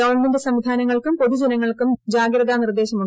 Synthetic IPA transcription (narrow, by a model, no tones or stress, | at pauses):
ɐʋɐrɳmendɨsɐmʋid̪ʱaːnɐŋːɐɭkumpo̞ðud͡ʑɐnɐŋːɐɭkumd͡ʑaːɡɾɐd̪anird̪e̞ːɕɐmu